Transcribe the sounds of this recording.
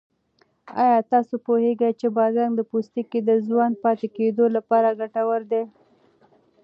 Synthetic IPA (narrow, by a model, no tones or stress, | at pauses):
ɑ̰jɑt̪ɑsopoheɡajt͡ʃebɑɾɡaŋɡd̪əpust̪iked̪əzwɑnd̪̚pɑt̪eked̪olapɑɾaɡaʈawəɾd̪e